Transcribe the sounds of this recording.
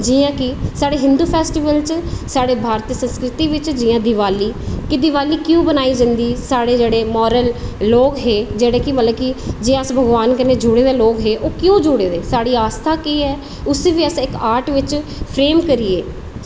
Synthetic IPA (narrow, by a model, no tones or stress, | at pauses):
d͡ʒiãːkɪsaːɽeːɦɪ̃nd̪uːpʰɛːsʈiːʋəlt͡ʃsaːɽeːbʱaːɾt̪iəsə̃nskɾɪt̪iːʋɪt͡ʃd͡ʒɪjãːd̪ɪʋaːliːkɪd̪ɪʋaːliːkjõːbənaːiːd͡ʒə̃nd̪iːsaːɽeːd͡ʒeːɽeːmɔːɾəlːoːkɦeːd͡ʒeːɽeːkɪmət̪ləbkɪd͡ʒɪjãːəsbʱəɡʋaːnkəneːd͡ʒʊɽeːd̪eːloːkɦeːʔoːkɪjõːd͡ʒʊɽeːd̪eːsaːɽiːaːst̪ʰaːkiːɛː | ʊseːʋiːəsɪkaːɾʈʋɪt͡ʃpʰɾeːmkəɾieː